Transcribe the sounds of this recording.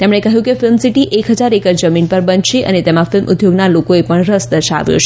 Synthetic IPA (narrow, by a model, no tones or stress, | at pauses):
t̪emɳ̃ekəɦjũkefɪlmsiʈiʔʔekɦəd͡ʒaɾekəɾd͡ʒəminpəɾbənʃeʔə̰net̪emãfɪlmʔʊ̰d̪joɡnalokoepəɳɾəsd̪əʃa̰ʋjo̰t͡ʃʰ